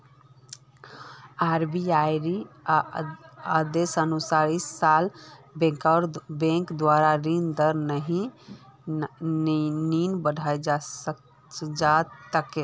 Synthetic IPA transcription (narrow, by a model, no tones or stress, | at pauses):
aɾbiajɾi | əd̪esənusaɾissalbẽkaɾbẽŋkd̪waɾaɾind̪əɾnəɦĩ | ninbəɽʱaed͡ʒ | d͡ʒat̪əke